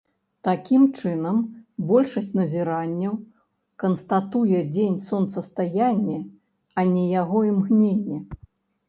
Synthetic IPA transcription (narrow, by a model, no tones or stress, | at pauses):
t̪akʲimt͡ʂɨnɐmbɔlʲʂɐsʲtʲt͡sʲnɐzʲiɾanʲːɐw | kɐnst̪at̪ujɛd͡zʲenʲsɔnt̪sɐst̪ajanʲːɛ | ɐnʲɛjaɣɔimɣnʲenʲːɛ